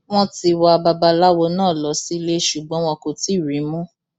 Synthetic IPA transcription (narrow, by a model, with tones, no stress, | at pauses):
w̃ɔ̃˦ti˧wa˧a˧ba˧ba˧la˦wɔ˧nãː˦˨lɔ˨˦si˦˧le˦ʃu˨ɡ͡bɔ̃˨˦w̃ɔ̃˧ko˧ti˦˨ɾĩ˨˦mũ˦